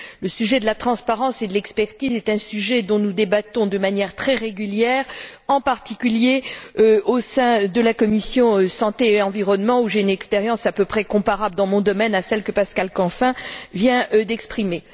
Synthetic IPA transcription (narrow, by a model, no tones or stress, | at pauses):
ləsyʒɛd̪əlat̪χɑ̃spaʁɑ̃sed̪əlɛkspɛʁt̪izɛt̪ɛ̃syʒɛd̪ɔ̃nud̪ebat̪ɔ̃d̪əmanjɛʁt̪χɛʁeɡʲyljɛʁɑ̃paʁt̪ikʲyljeøosɛ̃d̪əlakɔmisjɔ̃sɑ̃t̪eːɑ̃viʁɔnmɑ̃uʒeynɛkspeʁjɑ̃sapøpχɛkɔ̃paʁabləd̪ɑ̃mɔ̃d̪ɔmɛnasɛlkəpaskalkɑ̃fɛ̃vjɛ̃d̪ɛkspχime